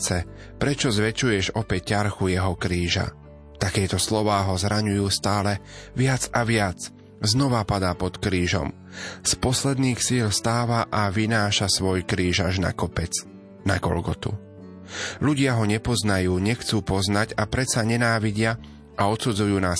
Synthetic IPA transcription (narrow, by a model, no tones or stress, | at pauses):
t͡sɛ | pɾɛt͡ʃɔzʋɛt͡ʃujɛʒɔpɛc̚cːaɾxujɛɦɔkɾiːʒa̰ | t̪akɛːt̪ɔslɔʋaːɦɔzɾaɲujuːst̪aːlɛ | ʋɪad͡zaʋɪat͡s | znɔʋapad̪aːpɔt̪kɾiːʒɔ̰m | spɔslɛd̪niːxsiːlst̪aːʋaʔaʋinaːʃasʋɔjkɾiːʒaʒna̰kɔpɛt͡s | naɡɔ̰lɡɔt̪ṵ | ʎuɟɪaɦɔɲɛpɔznajuːɲɛxt͡suːpɔznaɟapɾɛsaɲɛnaːʋiɟɪa | ʔaɔt̪sud͡zujuːnaːs